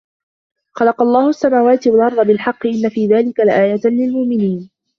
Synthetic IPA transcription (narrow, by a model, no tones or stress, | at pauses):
xɑlɑqɑlˤːɑːhʊasːamaːwaːt̪ɪwalʔɑɾˤd̪ˤɑbɪlħɑqːɨʔɪlːafiːðaːlɪkalɪʔaːjat̪lɪlmʊʔmɪniːn